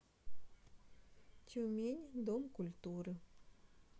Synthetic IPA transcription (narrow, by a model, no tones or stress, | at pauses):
t͡ɕʲemʲenʲd̪omkulʲt̪uɾɨ